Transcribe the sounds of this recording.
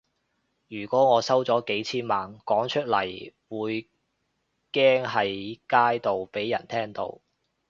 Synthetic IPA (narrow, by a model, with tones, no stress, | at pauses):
jyː˨˩kɔː˨˥ŋɔː˨˧sɐ˥wt͡sɔː˨˥ke˨˥jt͡sʰiː˥nmaː˨nkɔː˨˥ŋt͡ʃʰɵ˥t̚lɐ̰˨˩jwuː˨˧j | kɛː˥ŋɦɐ˨jkaː˥jt̪o˨wpe˨˥jːɐ˨˩nt̪ʰɛː˥ŋt̪o̰˧w